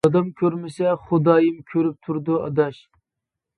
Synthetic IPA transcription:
ɑd̪ɑmkʲʰøɾmɪsɛχʊd̪ɑːjɨmkʲʰøɾyp̚t̪ʰuɾd̪uɑ̰d̪ɑʃ

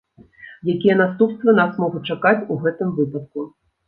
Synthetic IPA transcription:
jakʲijɛnast̪upst̪vɐnasmɔɣʊt͡ʂakat͡sʲuɣɛt̪ɨmvɨpɐt̪̚ku

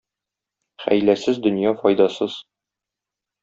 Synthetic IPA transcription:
χæ̰jlæsɘzd̪ɵ̆njɑfɒjd̪ɑsɤz̥

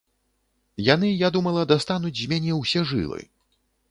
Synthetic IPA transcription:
janɨjad̪umɐlˠɐd̪ast̪anud͡zʲzʲmʲanʲɛwsʲɛʐɨ̰lˠɨ̰

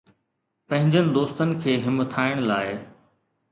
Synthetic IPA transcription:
pɐ̃ɦɪ̃ɲd͡ʑənɪ̆d̪oːst̪ənɪ̆kʰeːɦɪmət̪ʰaːɪɽ̃laːɪ

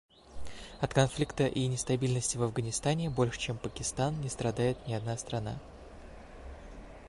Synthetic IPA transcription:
ɐt̪kɐnflʲikt̪əʔinʲɪst̪ɐbʲilʲnəsʲtʲɪvɐvɡənʲɪst̪anʲɪbo̞lʲʂɨ̥t͡ɕe̞mpəkʲɪst̪annʲɪst̪ɾɐd̪ajɪt̪nʲɪɐd̪nast̪ɾɐna̰

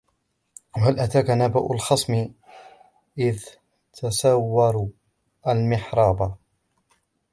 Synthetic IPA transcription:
halʔat̪aːkanaba̰ʔʊlxɑsˤmɪ | ʔɪð | t̪ʰasawːɑɾˤu | ʔalmɪħɾˤɑːba

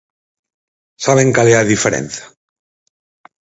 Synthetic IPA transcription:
saβ̞eŋkaleaðifeɾḛnθḁ

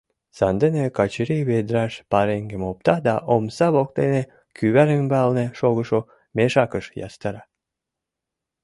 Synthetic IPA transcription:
sɑnd̪enekɑt͡ɕiɾiβed̪ɾɑʃpɑɾeŋɡɘ̆mop̚t̪ɑd̪ɑʔomsɑβok̚t̪ene | kʰyβæɾə̆mbɑlnĕʃoɣə̆ʃo | meʃɑkəʃjɑ̰st̪ɑɾɑ

